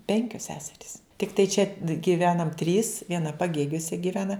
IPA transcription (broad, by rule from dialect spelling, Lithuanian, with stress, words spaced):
ˈpʲɛŋʲkʲoːs ˈsʲæːsʲɛrʲiːs tʲɪkˈtɐɪ t͡ʃʲɛ ɡʲiːˈʋʲæːnɐm tʲrʲiːs ʋʲiɛˈnɐ pɐˈɡʲeːɡʲuɔsʲɛ ɡʲiːˈʋʲæːnɐ